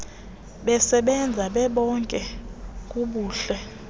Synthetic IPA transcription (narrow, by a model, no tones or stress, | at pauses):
ɓɛsɛɓɛnd͡zʱaɓɛɓɔŋkʼɛkʼuɓuːɬɛ